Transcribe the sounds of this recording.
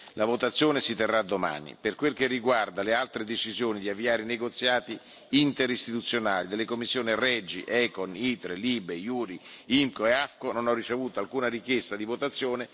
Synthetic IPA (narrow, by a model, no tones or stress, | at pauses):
lʔavot̪at̪sːjoːnesit̪erːad̪ːoma̰ːnḭperkwelk̟erːiɡward̪alealt̪ɾed̪et͡ʃizjoːnid̪iavːiaːɾeineɡot̪sːjaːt̪i | int̪eɾist̪it̪ut̪sːjonaːlid̪elːekomːisːjoːnirɛd͡ʒḭʔɛkonit̪ɾeliːbejuːɾiimkoeafkononɔrːit͡ʃevuːt̪oalkuːnaɾik̟jest̪ad̪ivot̪at̪sːjoːne